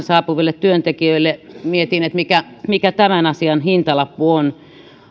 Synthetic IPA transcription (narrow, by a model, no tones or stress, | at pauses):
nsɑːpuʋilːet̪t̪yønt̪ekiøilːemiet̪inet̪mikæmikæt̪æmænɑsiɑnhint̪ɑlɑpːuon